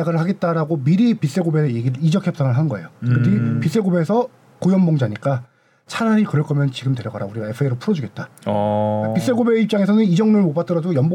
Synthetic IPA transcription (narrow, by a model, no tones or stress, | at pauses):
aɡɯɾɯɭɦaɡe̞t̚t͈aɾaɡomiɾipis͈eɡobe̞eɡiɾid͡ʑʌkʰjʌps͈aŋɯɭɦanɡʌe̞̰jokɯtʰipis͈eɡobe̞sʰʌ | kojʌnmʌŋd͡ʑaɲik͈a | t͡ɕʰananikɯɾʌɭk͈ʌmjʌnt͡ɕiɡɯmdwe̞ɾjʌɡaɾa̰uɾiɡae̞pʰɯeɾopʰuɾʌd͡ʑuɡe̞t̚t͈a | pis͈eɡobe̞ip̚t͡ɕaŋe̞sʰʌnɯnid͡ʑʌŋnoɭmopat͈ʌɾadojʌmb